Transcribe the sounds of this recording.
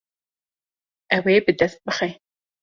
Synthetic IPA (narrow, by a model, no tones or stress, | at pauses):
ɐweːbɨdɐspɨχeː